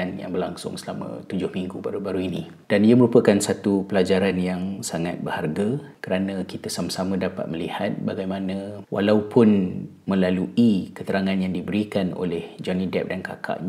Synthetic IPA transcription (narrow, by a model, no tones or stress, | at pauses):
anja̰ŋbərlaŋsʊ̰ŋsəlamə̰̃t̪ud͡ʒʊhmiŋɡubaɾubaɾuinĩ | d̥aniəməɾupəkansat̪upəlad͡ʒaɾanjaŋsaŋat̪̚bərharɡakəɾanə̃kit̪asamasamə̃dapa̰t̪̚məlihat̪̚baɡajmanə̃wʔa̰laupʰʊn | mə̃laluikət̪əɾaŋãnjaŋdibəɾikano̰lɛhd͡ʒanidɛp̚danka̰kʰa̰ʔ